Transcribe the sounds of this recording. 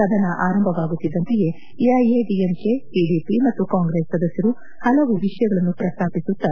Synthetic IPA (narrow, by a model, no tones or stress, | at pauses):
sɐd̪ʱɐnɐʔaːɾɐmbʱɐʋaːɡut̪ːid̪ːɐnt̪ɐje̞ | ɐjeɖiemkeʈiːɖiːpimɐt̪ːukaːŋɡɾeːsːɐd̪ɐsjɐɾu | hɐlɐʋuʋiʂɐjɐɡɐɭɐnːupɾɐst̪ʰaːpisut̪ːɐ